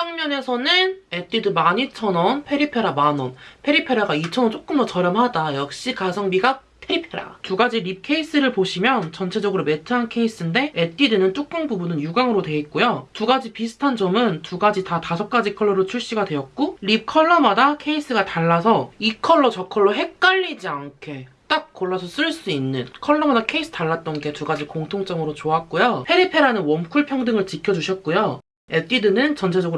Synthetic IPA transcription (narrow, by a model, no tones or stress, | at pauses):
aŋmjʌne̞sʰʌnɯnet͈idɯmaɲit͡ɕʰʌnʌnpʰe̞ɾipʰe̞ɾamanʌnpʰe̞ɾipʰe̞ɾaɡait͡ɕʰʌnʌt͡ɕ͈ok͈ɯmdʌt͡ɕʌɾjʌmɦadajʌk̚ɕ͈ikasʰʌŋbiɡa | pʰe̞ɾipʰeɾa̰tuɡad͡ʑiɾip̚kʰe̞is͈ɯɾɯɭpoɕʰimjʌnt͡ɕʌnt͡ɕʰe̞d͡ʑʌɡɯɾome̞tʰɯɦankʰe̞is͈ɯnde̞et͈idɯnɯnt͡ɕ͈ʰuk̚k͈ɯŋbubunɯnjuɡaŋɯɾodwe̞it̚k͈ojotuɡad͡ʑipisʰɯ̥tʰand͡ʑʌmɯntuɡad͡ʑitatasʰʌk̚k͈ad͡ʑikʰʌɭːʌɾɯɭt͡ɕʰuɭɕ͈iɡadwe̞jʌt̚k͈oɾikʰʌɭːʌmadakʰe̞is͈ɯɡataɭːasʰʌikʰʌɭːʌt͡ɕʌkʰʌɭːʌɦe̞k̚k͈aʎːid͡ʑiaŋkʰe̞ | t͈ak͈̚ːoɭːʌsʰʌs͈ɯɭs͈uinːɯnkʰʌɭːʌmadakʰe̞is͈ʰɯ̥taɭːat̚t͈ʌnɡe̞tuɡad͡ʑikoŋtʰoŋt͡ɕ͈ʌŋɯɾot͡ɕoat̚k͈ojohe̞ɾipʰe̞ɾanɯnwʌmkʰuɭpʰjʌŋdɯŋɯɭt͡ɕikʰjʌd͡ʑuɕʰʌt̚k͈ojo | et͈idɯnɯnt͡ɕʌnt͡ɕʰe̞d͡ʑʌɡɯ